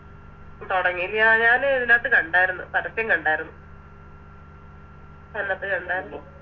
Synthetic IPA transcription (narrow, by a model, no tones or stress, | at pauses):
t̪oɽɐŋːilɲaːɲaːneðilaːt̪ːɨkɐɳɖaːjiɾunːupɐɾɐsjɐŋkɐɳɖaːjiɾunːu | nɐlːaːt̪ːɨkɐɳɖaːjiɾulːoː